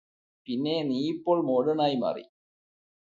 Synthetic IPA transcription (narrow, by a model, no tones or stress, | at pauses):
pinːeːniːjipːoːɭmoːɽɐnaːjmɐ̰rḭ